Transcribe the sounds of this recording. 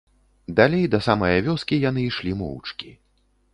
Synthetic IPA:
d̪alʲejd̪ɐsamɐjɐvʲɔskʲijanɨiʂlʲimɔ̰wt͡ʂkʲi

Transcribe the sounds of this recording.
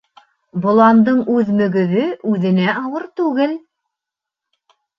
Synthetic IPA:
bŏlˠɑnd̪ɤɴʉðmɵ̆ɡɵ̆ðɵʉðɘ̆næʔɑwɤɾt̪ʉɡɘl

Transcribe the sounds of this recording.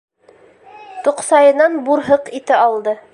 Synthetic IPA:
t̪oqsɑjɤ̆nɑnbuɾɦɤqit̪ɘɑlˠd̪ɤ

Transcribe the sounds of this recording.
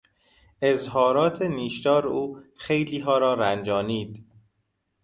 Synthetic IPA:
ʔezɦɒːɾɒːt̪ʰeniːʃt̪ɒːɾuːxejliːɦɒːɾɒːɾænd͡ʒɒːniːd̪̥

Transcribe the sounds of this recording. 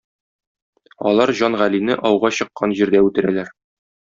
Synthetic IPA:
ɒ̰lˠɑɾʑɒnʁælinɘʔɒwʁɑɕɤ̆qːɑnʑiɾd̪æʉt̪ɘ̆ɾælæɾ

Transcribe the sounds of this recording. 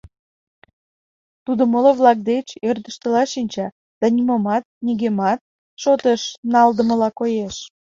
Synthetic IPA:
t̪ud̪oməloβlɑk̚d̪et͡ɕerd̪əʃt̪əlɑʃinʲt͡ɕɑ | d̪̥ɑnimomɑt̪̚niɣemɑt̪̚ | ʃot̪eʃnɑld̪əməlɑkojeʃ

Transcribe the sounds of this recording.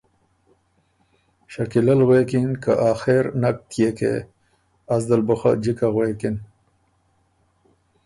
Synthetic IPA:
ʃakilalwekinkaʔaːxeɾnak̚t̪ʰjekḛ | azd̪əlbʊxa̰d͡ʑikaɣwekin

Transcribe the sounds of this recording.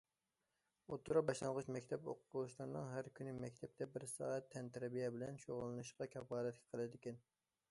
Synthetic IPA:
ot̪ʰːuɾɑbɑʃlˠɑŋʁʊt͡ʃmɛkʲt̪ʰɛpoqʰʊ̥bulˠuʃlˠɨɾɨnɨŋɦæɾkʲʰynɪmɛkʲt̪ʰɛp̚t̪ʰɛbɪɾsɑ̰ːɛt̪ʰːɛnt̪ʰæɾɛbijɛbɪlɛnʃoʁʊlˠːɨnɨʃqɑkʲʰɛpʁɑːlˠɛt̪̚kʲʰɛ̥qʰəlˠɨd̪ɪkʲɛn

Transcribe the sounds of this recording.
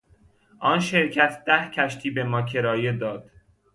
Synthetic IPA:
ʔɒːnʃe̞ɾcʰæt̪ʰd̪̥æhcʰæʃt̪ʰiːbe̞mɒːcʰe̞ɾɒːje̞d̪ɒːd̪̥

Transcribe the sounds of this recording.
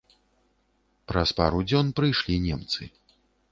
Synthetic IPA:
pɾɐspa̰ɾud͡zʲɔnpɾɨjʂlʲinʲɛmt̪sɨ

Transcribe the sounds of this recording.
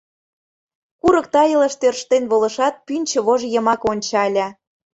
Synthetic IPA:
kuɾɤ̆k̚t̪ɑjə̆lə̆ʃt̪ørʃt̪enβolɤ̆ʃɑt̪̚pynʲt͡ɕə̆βoʒjɤ̆mɑkonʲt͡ɕɑlʲæ

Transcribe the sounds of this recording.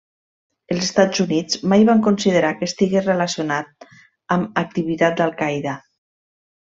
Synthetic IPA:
əlˠzest̪ad͡zunid͡zmajβaŋkonsiðəɾakəst̪iɣerəlasionat̪̚ | əmak̚t̪iβit̪at̪̚d̪alˠkajða

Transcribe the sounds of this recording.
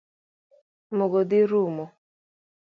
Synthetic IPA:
moɡod̪ɪɾumo

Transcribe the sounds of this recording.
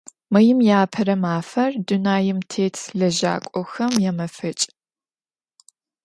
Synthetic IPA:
mɐjɪmjaːpʰɐɾɐmaːfɐrdunaːjɪmtʰeːtʰɮɐʒa̰ːkʷʼɔxɐmjɛmɐfɨt͡ʃʼ

